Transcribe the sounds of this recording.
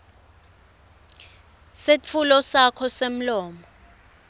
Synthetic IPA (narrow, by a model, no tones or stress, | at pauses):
set͡fʰulɔsakʰɔsem̩lɔːmɔ